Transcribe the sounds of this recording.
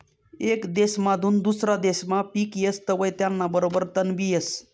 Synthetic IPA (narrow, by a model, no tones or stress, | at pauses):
ekd̪esmad̪ʱund̪usɾad̪esmapikjest̪əbəjt̪janːabəɾobəɾt̪ənbʱies